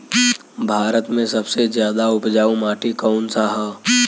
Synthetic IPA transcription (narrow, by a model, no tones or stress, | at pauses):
bʱaːɾət̪mẽsɐbsezjaːd̪aʊpd͡ʒaːũmaːʈikəʊnsaɦə